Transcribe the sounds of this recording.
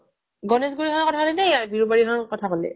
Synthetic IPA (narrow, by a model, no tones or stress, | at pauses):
ɡɔnɛs̬ɡuɹiɦɔnɔkɔtʰakolɛnɛabiɹubaɹiɦɔnkɔtʰakɔlɛ̰